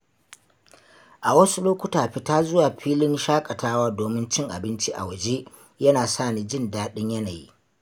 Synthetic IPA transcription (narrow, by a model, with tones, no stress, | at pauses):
ʔa˨wɐ˦su˦loː˦kʷʊ˦taː˨ɸɪ˦taː˦zʊ˦waː˨ɸiː˦lɪ˦nʃaː˦kʼɐ˨taː˦waː˦doː˨mɪ˦nt͡ʃɪ˦ŋʔa̰˨bɪ˦nt͡ʃi˦ʔa̰˨wɐ˨d͡ʒe˦ | jɐ˦naː˨saː˦˨niː˨d͡ʒɪ˦˨ndaː˦ɗɪ˦ɲjɐ˦na˨jḭ˦